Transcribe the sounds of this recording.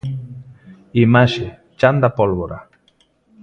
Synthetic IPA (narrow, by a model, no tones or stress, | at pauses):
imaʃɪ | t͡ʃand̪apolβoɾa̰